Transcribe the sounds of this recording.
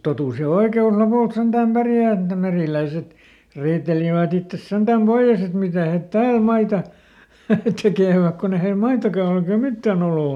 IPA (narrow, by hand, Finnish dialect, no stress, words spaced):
totus jɑ oikeus lopuˑlt sentæm pærjæˑ et ne meriˑlæiset riːteliʋæt itːes send̥æm b̥oij̆es et mitæˑ het tæːl mɑitɑ tekeˑʋæk kon e heil mɑitɑkɑ ol eikæ mitːæn oloˑ